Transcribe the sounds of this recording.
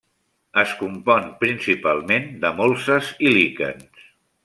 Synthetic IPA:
əskumpɔnpɾinsipalˠmend̪əmolˠsəzilikə̰ns

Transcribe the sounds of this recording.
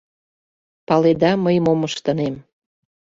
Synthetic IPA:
pɑled̪ɑməjmoməʃt̪ə̆nem

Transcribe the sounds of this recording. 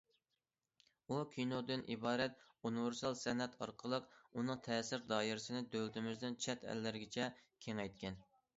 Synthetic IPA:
ukʲʰinod̪ɨnʔibɑːɾɛt̪̚ | unɪvɪɾsɑlˠsɛnɛt̪ʰɑ̰ɾqʰəlˠəqunɨŋt̪ʰɛːsɪɾd̪ɑːiɾɪsɪnɪd̪ølt̪ɪmɪzd̪ɪnt͡ʃʰɛt̪ʰɛ̰lːɪɾɡʲɪt͡ʃʰɛkʲʰeŋɛjt̪̚kʲʰɛn

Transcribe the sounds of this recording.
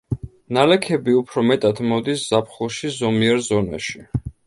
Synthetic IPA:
nalɛkʰɛbiupʰɾɔmɛt̪ʼat̪ʰmɔd̪isz̥apʰχulˠʃizɔmiɛɾzɔna̰ʃi

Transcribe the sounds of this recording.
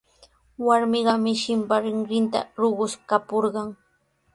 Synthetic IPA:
waɾmɪɢɑmɪʃɪmpaɾɪŋɾɪnt̪a̰ɾoɢʊʃkapoɾɢɑŋ

